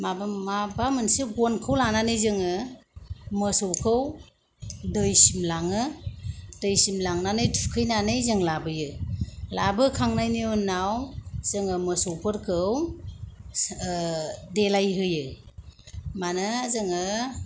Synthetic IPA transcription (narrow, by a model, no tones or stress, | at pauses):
mabmabamɯnsiɡɔnkʰɯwlananɯjzɯŋɯ | mɯsowkʰɯw | dɯjsimlaŋɯ | dɯjsimlaŋnanɯjtʰu̥kʰɯjnanɯjzɯŋlabɯjɯlabɯkʰaŋnajniunawz̥ɯŋɯmɯsowpʰɯɾkʰɯw | delajɦɯjɯ | manɯzɯŋɯ